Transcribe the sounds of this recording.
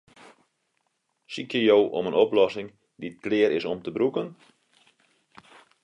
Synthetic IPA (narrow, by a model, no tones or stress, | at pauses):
sikjəjowʔɔ̰mənoplɔsɪŋ | dit̚klɪəɾɪsɔmtəbrukən